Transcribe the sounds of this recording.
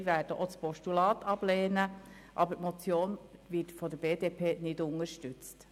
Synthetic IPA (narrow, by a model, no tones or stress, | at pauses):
væːɾd̥əʔot͡spɔʃtulɑːtɑb̥leːnə | ʔɑbətmɔt͡sjoːnvɪtfɔd̪əb̥eːdeːpʰeːnɪdʊŋəɾʃtʉt͡st